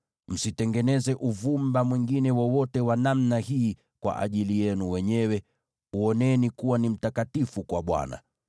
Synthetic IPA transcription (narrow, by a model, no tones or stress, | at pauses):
m̩sitɛŋɡɛnɛzɛʔuvumbamwiŋɡinɛwɔwɔtɛwanamnahiː | kwa̰ʔa̰ʄilijɛnuwɛɲɛwɛ | uɔnɛnikuwanim̩takatifukwaɓwa̰na̰